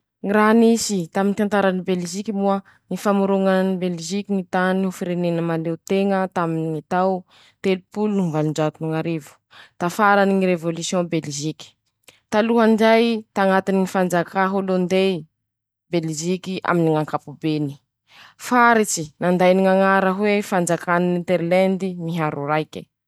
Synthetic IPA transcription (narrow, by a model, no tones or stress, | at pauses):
ŋiraɦnisit̪amint̪ant̪aɾanibelʒikimuə | nifamuɾuŋannibelʒikiŋit̪aniufiɾenenəmalewt̪eŋət̪aminit̪aw | t̪elupulunuŋvaluɳd͡ʒat̪unuŋaɾevu̥ | t̪afaɾaniŋiɾevolusjɔ̃belʒiki̥ | t̪aluɦand͡ʒajt̪aŋat̪iniŋifand͡zakaɦulond̪e | belʒikia̰miniŋaŋkapubeni̥ | faɾit͡ʃinand̪ajniŋaŋaɾəɦwefand͡zakaninint̪eɾlɛnd̪imiɦaɾuɾajkʲi̥